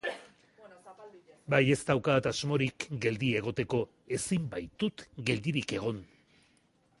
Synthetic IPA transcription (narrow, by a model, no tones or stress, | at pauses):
baje̞st̪awkat̪azmo̞ɾikɡe̞ld̪ie̞ɣ̞o̞t̪e̞ko̞ | e̞simbajt̪ut̪ɡe̞ld̪iɾike̞ɣ̞o̞n